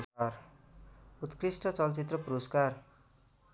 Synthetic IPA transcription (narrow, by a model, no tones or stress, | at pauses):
ar | ut̪krisʈʌt͡sʌlt͡sit̪rʌpuɾoskar